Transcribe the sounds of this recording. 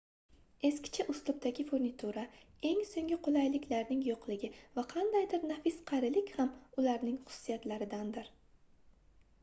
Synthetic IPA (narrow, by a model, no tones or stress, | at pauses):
e̞skʲɪ̥t͡ʃʰaʔʊst̪ʊp̚t̪aɡʲɪfoɾnɪt̪ʰuɾa | e̞ŋsoŋʲɪqolˠajlɪkʲlaɾnɪŋjoqlˠɪɡʲɪvaqʰɑnd̪ajd̪ɪɾnafɪsqʰɑɾɪlɪkʲhamʊlaɾnɪŋχʊ̥sʊ̥ːijat̪laɾɪd̪and̪ɪɾ